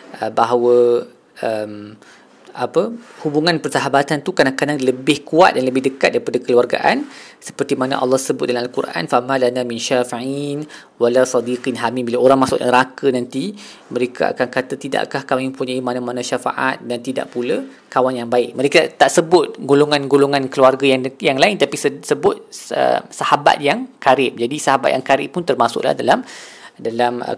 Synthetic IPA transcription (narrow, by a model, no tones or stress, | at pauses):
ʔəbaɦawə | ʔəm | apəhubuŋãnpərsaɦabat̪ant̪ukanakanaləbɪhkuat̪̚danləbɪhdəkat̪̚daɾipadakəluarɡa̰ʔansə̥pərt̪imana̰ʔɑ̰lːɑhsəbʊt̪̚dalamalkurʔa̰nfamãlanaminʃafiʕin | walasɑdiqinɦamimbilaoɾaŋmãsʊʔəɾakənãnt̪i | məɾekʰa̰a̰kankat̪at̪ida̰ʔkahkamiməmpuɲaimanamanaʃafa̰ʔa̰t̪̚dant̪ida̰ʔpula | kawanjaŋbaɪk̚məɾekat̪aʔsəbʊt̪̚ɡoloŋanɡoloŋãnkəluarɡajajaŋlaɪnt̪apissəbʊt̪̚ə̰msahaba̰t̪̚jaŋkaɾɪp̚d͡ʒadisahabat̪̚ja̰ŋkaɾɪ̰pːʊnt̪ərmasʊ̰ʔla̰hdalam | dalam̰